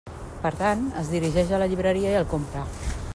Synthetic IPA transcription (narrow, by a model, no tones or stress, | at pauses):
pəɾt̪anəzðiɾiʒɛʃələʎiβɾəɾiəiəlˠkompɾə